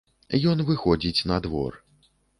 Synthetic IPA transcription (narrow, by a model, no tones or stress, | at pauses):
jɔnvɨxɔd͡zʲit͡sʲnɐd̪vɔ̰r